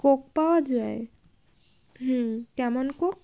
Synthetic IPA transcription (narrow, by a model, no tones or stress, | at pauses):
kok̚pawad͡ʒae | ɦ̩kɛmɔnkok̚